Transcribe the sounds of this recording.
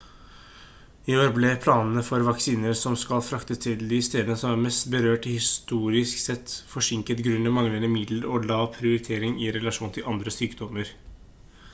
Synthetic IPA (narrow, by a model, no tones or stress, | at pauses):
ɪoːɾblɛpʰlɑːnnəfɔɾʋɑksiːnəɾsɔmskɑlfɾɑkt̪ət̪ʰɪld̪ɪst̪eːd̪ənəsɔmæɾmɛst̪bəɾøːʈɪhɪst̪uːɾɪsksɛt̪ːfɔʂɪŋkət̪ɡɾʉnːəmɑŋlənəmɪd̪ləɾɔlɑːʋpʰɾɪʊɾɪt̪ʰeːɾɪŋɪɾɛlɑʂuːnt̪ʰɪlɑnd̪ɾəsyːkd̪ɔməɾ